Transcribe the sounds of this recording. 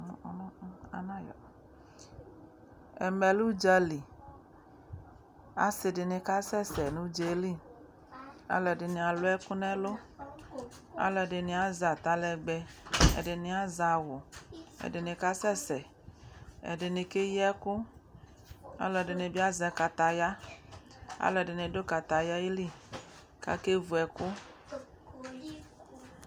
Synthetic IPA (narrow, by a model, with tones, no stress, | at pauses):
nɔ̃˦a̰˨nã˦jɔ̰˨ | ɛ̰˨mɛ˨lu˦d͡ʒa˦li˨ | a̰˨se˨de˨ne˨ka˦sɛ˦sɛ˨nũ˦d͡ʒe˨li˦ | a̰˦lɔ˨de˨nẽ˨a˨lo˦ɛ˦ku˦nɛ̃˦lo˦ | a̰˨˦lɛ˨ɖe˨nĩ˨a˨za˨t̪a˦lɛ˨ɡ͡bɛ˦ḛ˨de˨nĩ˨a˦za˨wʊ˨ḛ˨de˨nĩ˨ka˦sɛ˦sɛ˨ | ḛ˨de˨nĩ˨ke˦jɛ˦ku˦ | a̰˦lɔ˨de˨nẽ˨bi˦a˦zɛ˨˦ka˨t̪a˨ja˦ | a̰˦lɔ˨de˨ne˨do˦ka˨t̪a˨ja˦e˦li˦˨ | ka̰˦ke˦vu˨ɛ˨ku˦